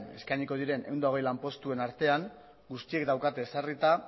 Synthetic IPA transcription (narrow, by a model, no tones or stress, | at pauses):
ne̞̰skajɲiko̞ð̞iɾe̞nʔe̞̰wnd̪ao̞ɣ̞e̞jlampo̞st̪ue̞naɾt̪e̞aŋ | ɡust̪ie̞kd̪awkat̪e̞ːsarit̪a